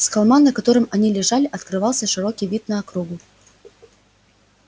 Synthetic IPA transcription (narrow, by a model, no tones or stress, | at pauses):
skɐlˠmanːəkɐt̪o̞ɾɨmɐnʲilʲɪʐalʲɪʔɐt̪kɾɨvɑlˠsʲəʂɨɾo̞kʲijvʲit̪̚nəɐkɾuɡʊ